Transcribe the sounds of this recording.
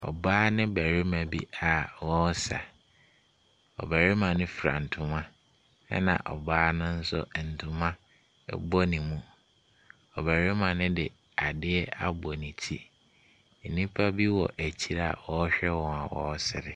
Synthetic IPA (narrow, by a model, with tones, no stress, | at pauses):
ɔ̰˨baː˦nɪ̃˦bæ˨ɾɪ˦mã˨bi˦a˨wɔ˦sa̰˨ | ɔ̰˨bæ˨ɾɪ˦mã˨nɪ̃˦fɾa̰˨n̩˨tʰʊ̃˨mã˦ | ɛ̰˦nã̰˨ʔɔ̰˨baː˦nʊ̃˦n̩˦sʊ̰˦˨n̩˨tʰʊ̃˨mã˦ | ɛ̰˦bɔ˦nĩ˨mũ˦ | ɔ˨bæ˨ɾɪ˦mã˨nɪ̃˦dɪ˨ | a˨dɪ˦ɛ˦a̰˨bɔ˨nĩ˨tʰi˦ | n̩˨nĩ˦pʰa˦bi˦wɔ˨ʔæ˨t͡ɕʰi˦ɾa̰˨wɔ˦ɕᶣɛ˦wɔ̃˨a˨wɔ̰˨˦sɪ˨ɾɪ˨